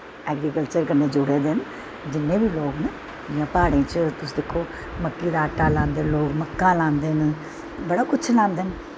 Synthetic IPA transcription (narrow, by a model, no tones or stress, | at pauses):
ɛːɡɾiːkəlt͡ʃəɾkənːeːd͡ʒʊɽeːd̪en | d͡ʒɪnːẽːbʱiːloːɡnə | d͡ʒɪjãːpaːɽẽːt͡ʃt̪ʊs̬ːd̪ɪkʰːoː | məkːiːd̪aːəʈːaːlãːnd̪eːnloːɡməkːãːlãːnd̪eːn | bəɽaːkʊt͡ʃʰlãːnd̪eːn